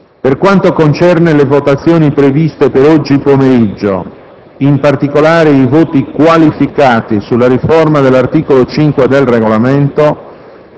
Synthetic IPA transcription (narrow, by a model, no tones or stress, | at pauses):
perkwant̪okont͡ʃɛrnelevot̪at̪sːjoːnipɾevist̪epeɾɔd͡ʒːipomeɾid͡ʒːo̰ | impart̪ikolaːɾeivoːt̪ikwalifikaːt̪isulːarifɔrmad̪elːart̪iːkolot͡ʃiŋkwed̪elreɣolament̪o